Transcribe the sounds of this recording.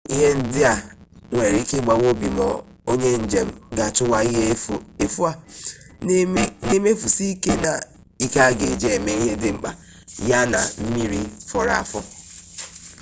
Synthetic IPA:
i˦ɦe˦n̩˦dɪ˦a˨ŋʷe˨ɾi˦ke˦ɡ͡ba˨wo˦bi˨mɔ̰˨ | o˦ɲe˦n̩˨d͡ʒe˨m̩˦ɡa˨tʊ˦wa˦i˦ɦe˦e˨fu˦a˦ | ne˦me˦fu˨si˦ke˦na˨ | i˦ka˦ɡḛ˨d͡ʒe˦e˨me˦i˦ɦe˦dɪ˦ŋ͡m̩˨k͡pa̰˨ | ja˦na̰˨m̩˦mi˦ɾi˦fɔ˨ɾa̰˨a˨fʊ˦

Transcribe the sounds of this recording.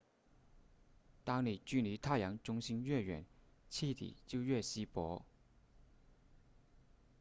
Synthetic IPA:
t̪ɑ˥ŋli˨˩t͡ɕy˥˩ni˧˥t̪ʰa˥˩jɑ˧˥ŋʈ͡ʂʊ˥ŋɕi˥nɥɛ˥˩ɥɛ̰˨˩˦nt͡ɕʰi˥˩t̪ḭ˨˩˦t͡ɕjo˥˧ʊɥɛ˥˩ɕi˥pwɔ˧˥

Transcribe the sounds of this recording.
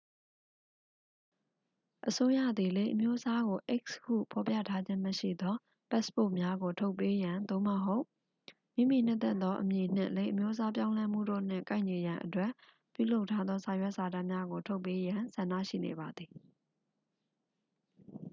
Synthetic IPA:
ʔəso˦jä̰˦˨d̪i˨le˦ɪʔə˨mjo˦ʔəsa˦ɣo˨ʔɪ˦˨kshṵ˦˨pʰɔ˨pjä̰˦˨tʰa˦d͡ʑɪ̃˦məʃḭ˦˨d̪ɔ˦ | pɛ˦spo˦˨ʔmja˦ɡo˨tʰo˦ʊ˨pːe˦jã˨nd̪o̰˦˨məɦo˦ʊ | mḭ̃˦˨mḭ˦˨n̥ɪ̰̃˦t̪ɛ˦˨t̪t̪ɔ˦ʔəmji˨n̥ɪ̰̃˦˨lẽ˨˦ɪʔəmjo˦ʔəsa˦p̬jã˦ʊ̃lɛ˦m̥ṵ˦˨do̰˦˨n̥ɪ̰̃˦˨kã˦ɪ̃˨ɲi˨jã˨ʔətwɛ˦˨ | pjṵ˦˨lo˦ʊʔtʰːa˦d̪ðɔ˦sã˨jwɛ˦ʔsa˨da˦˨mja˦ɡo˨tʰo˦ʊpːe˦jã˨sã˨ndä̰˦˨ʃḭ˦˨nḛ˨βa˨d̪ði˨

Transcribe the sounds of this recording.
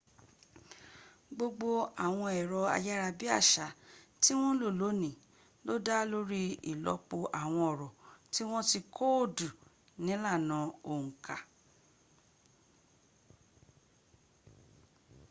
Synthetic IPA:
ɡ͡bo˧ɡ͡bo˧a˨w̃ɔ̃˧ɛ˨ɾɔ˧a̰˧ja˦ɾa˧bi˦a̰˦˨ʃa˨˦ti˦w̃ɔ̃˦lo˦˨lo˨˦nĩ˨ | lo˦da˦lo˦ɾi˦ḭ˨lɔ̰˨˧˦k͡po˧ʔa˨w̃ɔ̃˧ɔ˨ɾɔ˨ti˦w̃ɔ̃˦ti˧kʰo˦o˦˨du˨ | nĩ˨˦la˦˨nã˨˧o˨ŋ̩̃˨ka˨

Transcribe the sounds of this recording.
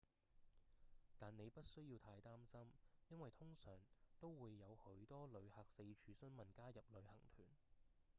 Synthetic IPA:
t̪aː˨nne˨˧jpɐ˥t̚sɵ˥ɥjiː˧wt̪ʰaː˧jt̪aː˥msɐ˥mjɐ˥nwɐ˨jt̪ʰʊ˥ŋsœː˨˩ŋt̪o˥wwuː˨˧jːɐ˨˧whɵ˨˥ɥt̪ɔː˥lɵ˨˧haː˨k̚se˧t͡ʃʰyː˨˧sɵ˥nmɐ˨˩nkaː˥jɐ˨p̚lɵ˨˧ɥhɐ˨˩ŋt̪ʰyː˨˩n

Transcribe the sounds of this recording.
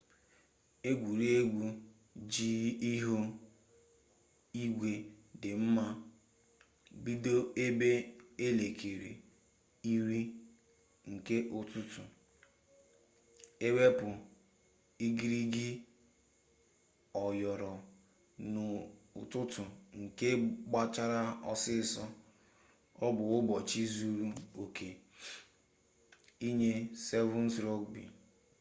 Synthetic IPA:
e˦ɡʷu˨ɾe˦ɡʷu˦ | d͡ʒi˦i˦ɦo˦ | i˦ɡʷe˨dɪ˨m̩˦ma˦ | ɡ͡bi˦do˦e˦be˦e˦le˨kʰe˨ɾḭ˨ | i˦ɾi˦ | ŋ̩˨ke˦ʔʊ˦tʊ˦tʊ˨ | e˦we˦pʊ˨ | i˦ɡi˦ɾi˦ɡɪ˦ | ɔ˨jɔ˨ɾɔ˨ | nʊ˨ʊ̰˨tʊ˦tʊ˨ŋ̩˨ke˦ɡ͡ba˦t͡ʃa˦ɾa˦ɔ˦sɪ˦sɔ˦ | ɔ˦bʊ˨ʊ˦bɔ˨t͡ʃi˦zu˦ɾu˦o˨kʰe˨ | i˦ɲe˦sɛ˦vʊ̃˦n̩˦sɾɔ˦ɡbḭ˨

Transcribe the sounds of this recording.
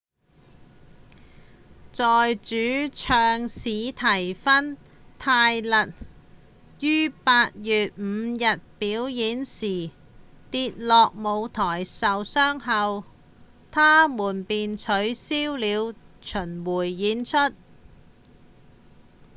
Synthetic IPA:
t͡sɔː˨jt͡ʃyː˨˥t͡ʃʰœː˧ŋsiː˨˧t̪ʰɐ˨˩jfɐ˥n | t̪ʰaː˧jlɐ˨t̚ | jyː˥paː˧t̚jyː˨t̚m̩˨˧jɐ˨t̚piː˨˥wjiː˨˥nsiː˨˩ | t̪iː˧t̚lɔː˨k̚mo˨˧wt̪ʰɔː˨˩jsɐ˨wsœː˥ŋɦɐ˨w | t̪ʰaː˥muː˨˩npiː˨nt͡sʰɵ˨˥ɥsiː˥wliː˨˧wt͡ʃʰɵ˨˩nwuː˨˩jːiː˨˧˥nt͡ʃʰɵ˥t̚

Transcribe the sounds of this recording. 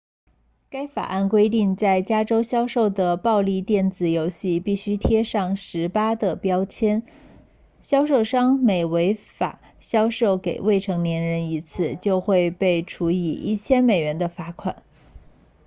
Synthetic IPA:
ka˥ɪfa̰˨˩ʔa˥˩nkwe˥ɪt̪i˥˧ŋt͡sa˥˩ɪt͡ɕja˥ʈ͡ʂo˥ʊɕjɑ˥ʊʂo˥˩ʊd̪ə˩pɑ˥˧ʊli˥˧t̪jɛ˥˩nt͡sɹ̩˨˩jo˧˥ʊɕi˥˧pi˥˩ɕy˥t̪ʰjɛ˥ʂɑ˥˩ŋʂɻ̩˧˥pa˥d̪ə˨˩pjɑ˥ʊt͡ɕʰjɛ˥n | ɕjɑ˥ʊʂo˥˧ʊʂɑ˥ŋme˨˩ɪwe˧˥ɪfa̰˨˩˦ | ɕjɑ˥ʊʂo˥˩ʊke˨˩ɪwe˥˩ɪʈ͡ʂʰɤ˧˥ŋnjɛ˧˥nɻə˧˥ni˧˥t͡sʰɹ̩˥˩t͡ɕjo˥˧ʊxwe˥˧ɪpe˥˩ɪʈ͡ʂʰu˧˥i˨˩ʔḭ˥˩t͡ɕʰjɛ˥nme˨˩ɪɥɛ˧˥nd̪ə˧fa˧˥kʰwa̰˨˩˦n

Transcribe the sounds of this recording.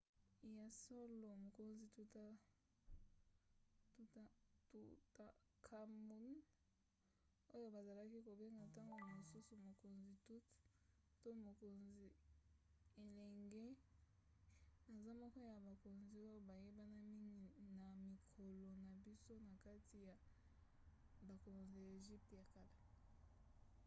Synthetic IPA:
ja˨so˦lo˨mo˨ko˨nzi˨tu˦ta˦ | tu˦ttu˦ta˦ | kʰa˦mu˦n | o˦jo˦ba˨za˨la˦ki˦ko˨be˦ŋɡa˨ta˦ŋɡo˨a˨mo˨su˦su˨mo˨ko˨nzi˨tu˦tto˦mo˨ko˨nzi˨ | e˨lɛ˨ŋɡɛ˦ | na˨za˦mɔ˦kɔ˦ja˨ba˨ko˨nzi˨o˦jo˦ba˨je˦ba˦na˦mi˦ŋɡi˨na˨mi˨kʰo˨lo˨na˨bi˦so˦na˨ka˦ti˨ja˨ | ba˨ko˨nzi˨a˨e˨ʒi˦p̚tja˨ka˨la˦

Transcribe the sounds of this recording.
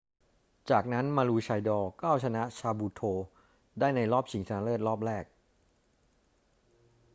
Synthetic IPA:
t͡ɕaː˨˩k̚na˦˥nmaː˧luː˧t͡ɕʰa˧jdɔː˧kaː˥˩wt͡ɕʰa˧na˦˥t͡ɕʰaː˧buː˧t̪ʰoː˧ | daː˥˩jna˧jlɔː˥˩p̚t͡ɕʰi˩˦ŋsa˧na˧˥lɯː˥˩t̪̚ɾɔː˥˩p̚ɾɛː˥˩k̚

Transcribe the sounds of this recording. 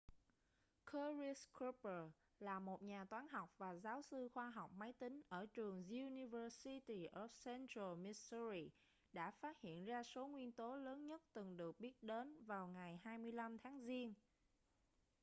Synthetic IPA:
kʰə˧ɹi˧sku˦˥pə˨˩ | laː˨˩mo˨˩t̚ɲaː˨˩t̪waː˨˦nɦɔ˨˩wk͡p̚vaː˨˩zaː˨˦wsɨ˧xwaː˧ɦɔ˨˩wk͡p̚ma˨˦jt̪ï˨˦ŋ̟ʔəː˧˩t͡ɕɨ˨˩əŋzu˧ni˧vəː˧si˧t̪i˧ʔɔ˧˩sɛ˧ntɹə˧mi˧sə˧ɾi˧ | ɗa̰ː˧˥faː˦˥t̚hḭ˧˨ənzaː˧so˨˦ŋwi˧ənt̪o˨˦ləː˨˦nɲə˦˥t̚t̪ɨ˨˩ŋɗɨ˨˩ək̚ɓi˦˥ət̚ɗe˨˦nvaː˨˩wŋa˨˩jhaː˧jmɨ˧əjla˧mt̪ʰaː˨˦ŋzi˧ən

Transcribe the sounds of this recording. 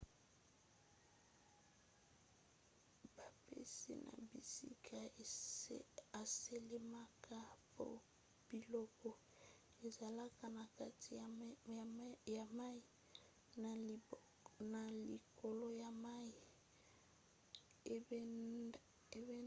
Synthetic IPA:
ba˨pḛ˦sḭ˦˨nʔa̰˨bi˨sḭ˦kʰa˨˦ | a˨se˨le˦ma˦ka˦po̰˦ | b̥i˨lɔ˦kɔ˨ | e˨za˨la˦ka˦na˨ka˦ti˨ | ja˨ma˦i˦ | na˨lḭ˨ko˨lo˦ja˨ma˦i˨ | e˨˦

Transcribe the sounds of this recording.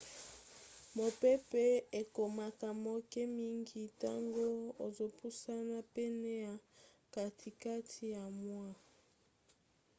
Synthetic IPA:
mo˨pe˦pɛ˦e˨ko˨ma˨ka˨mo˨kɛ˦mi˦ŋɡi˦ta˦ŋɡo˦o˨zo˨pu˦sa˦na˦pɛ˦nɛ˦ja˨ | ka˨tʰi˨ka˦tʰi˦ja˨mwa˦

